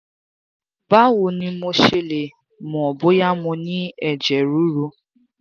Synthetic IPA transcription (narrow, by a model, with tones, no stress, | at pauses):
ba˦wʊ˨nĩ˧mo˦ʃe˦le˨ | mʊ˨ɔ˨bʊ˦ja˦mʊ̃˧nɪ˦ɛ˨d͡ʒɛ˨ɾu˦ɾu˦